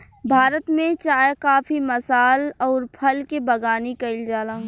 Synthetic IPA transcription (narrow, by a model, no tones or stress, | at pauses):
bʱaːɾət̪mẽt͡ʃaːjkaːfimɐsaːlɔːɾpʰɐlkebɐɡaːnikɐɪld͡ʒaːlaːɦ